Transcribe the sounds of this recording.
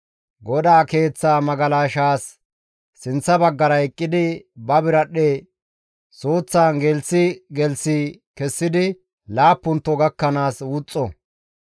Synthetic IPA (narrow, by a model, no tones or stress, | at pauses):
ɡɔd̪aːke̞ːt͡sːaːmɐɡɐlaːʃaːsː | ɪnt͡sːɐbɐɡːɐɾɐɛkʼːɪd̪ɪbɐbɪɾɐɗeː | so̞ːt͡sːaːnɡɛlsɪɡɛlsɪkɛsːɪd̪ɪ | laːpːʊnt̪ːɔɡɐkːɐnaːswʊt͡sʼːɔ